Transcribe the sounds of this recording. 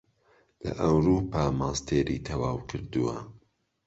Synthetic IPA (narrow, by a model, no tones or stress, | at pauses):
lɐ̰ʔɐwɾuːpʰaːmaːst̪ʰeːɾit̪ʰɐwaːwkʰɨɾd̪uwɐ̰